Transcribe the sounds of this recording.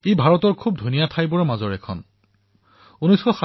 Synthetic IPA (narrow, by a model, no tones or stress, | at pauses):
ejbʱaɹɔtɔɹkʰub̚dʱunijapʰajbɔɹmazɔɹɛkʰɔ̰n | unɔjsxɔxa